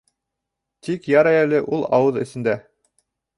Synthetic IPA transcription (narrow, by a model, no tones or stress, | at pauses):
t̪ikjɑɾæjælɘʔulˠɑ̰wɤðɘ̆sɘ̆nd̪æ